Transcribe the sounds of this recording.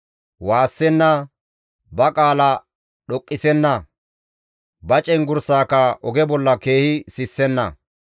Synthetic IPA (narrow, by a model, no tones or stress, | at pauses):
waːsːɛnːɐ | bɐkʼaːlɐ | ɗɔkʼːɪsɛnːɐ | bɐt͡ʃʼɛnɡʊɾsaːkɐʔɔɡɛbɔlːɐke̞ːhɪsɪsːɛnːɐ̰